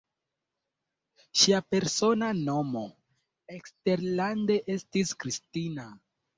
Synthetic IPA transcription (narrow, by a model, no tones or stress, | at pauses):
ʃiape̞ɾso̞nano̞mo̞ | ekste̞ɾlande̞ʔe̞stiskɾistina